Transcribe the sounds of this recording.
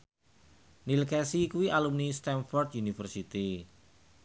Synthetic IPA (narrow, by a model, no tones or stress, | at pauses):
nilkɛsikuiʔalumnist̪ɛnfɔrt̪̚junifərsit̪i